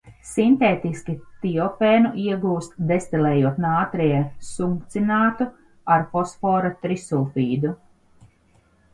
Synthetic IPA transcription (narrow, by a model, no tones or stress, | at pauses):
sint̪eːt̪iskʲit̪iɔfɛːnuʔiɛɡuːst̪d̪est̪ilɛːjuɔt̪naːt̪ɾɛjɛsuŋkt̪sinaːt̪u | aɾfɔsfɔːɾat̪ɾisuːfiːd̪u